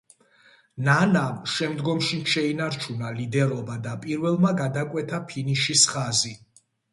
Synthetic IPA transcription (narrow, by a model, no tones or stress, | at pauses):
nanamʃɛmd̪ɡɔmʃinʃɛinaɾt͡ʃʰunalid̪ɛɾɔbad̪apʼiɾvɛlˠmaɡad̪akʼwɛt̪ʰapʰiniʃisχazi